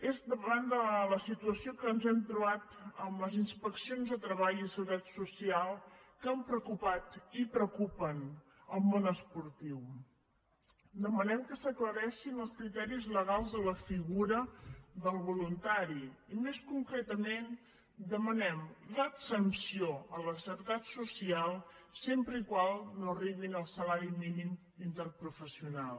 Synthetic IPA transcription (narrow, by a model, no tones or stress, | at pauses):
ezd̪əβand̪ələsit̪uəsiokəːnzɛmt̪ɾuβat̪əmləzinspəksionzðət̪ɾəβaʎisəðɛt̪susialˠkampɾəkupat̪ipɾəwkupən | əlˠmonəspuɾt̪iw | d̪əmənɛmkəsəkləɾɛʃinəlˠskɾit̪ɛɾizləɣalˠzðələfiɣuɾəðəlˠβulunt̪aɾiːmeskuŋkɾɛt̪əmen | d̪əmənɛmləsənsioələsəɾt̪at̪susialˠsempɾəikwalˠnoəriβinəlˠsəlaɾiminim | int̪ərpɾufəsiunalˠ